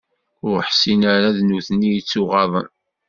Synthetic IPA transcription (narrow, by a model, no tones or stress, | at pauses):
ʊɾəħsinaɾaðnuθnːijət͡sːʊʁɑðˤə̰n